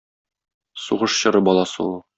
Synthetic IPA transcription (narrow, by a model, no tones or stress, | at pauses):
suʁɤʃɕɤ̆ɾɤbɒlˠɑsɤ̰ulˠ